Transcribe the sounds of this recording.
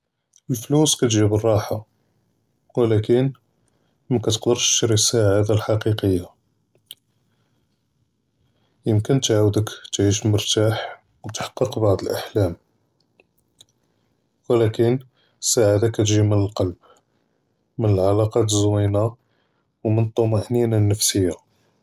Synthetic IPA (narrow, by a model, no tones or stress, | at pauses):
əlfluskæt̪ʒibərˤːɑħa | wlækən | mækæt̪ə̥qd̪əɾʃɾisːaʕad̪alħɑqiqəjːa | jəmkənt̪ʕawd̪əkt̪ʕiʃ̬məɾt̪aħ | wt̪ħɑ̥qːəqbɑʕd̪ˤəlʔaħlæm | wəlækən | sːaʕad̪akæt̪ʒimənəlqɑlb̚ | mənəlʕalɑqɑt̪əzwina | wmənt̪ˤːomaʔninænːəfsəjːa